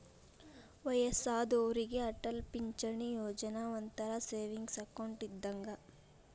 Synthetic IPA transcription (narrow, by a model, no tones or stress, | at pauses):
ʋɐjɐsaːd̪oʋɾiɡe̞ɐʈɐlpiɲt͡ʃɐɳijoːd͡ʒɐnaʋɐnt̪ɐɾɐseːʋiŋɡsɐkɐwɳʈid̪ːɐŋɡɐ